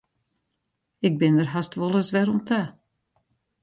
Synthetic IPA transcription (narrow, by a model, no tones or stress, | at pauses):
ɪk̚bɪndərɦastʋɔlˠəsʋɛɾɔmtʰa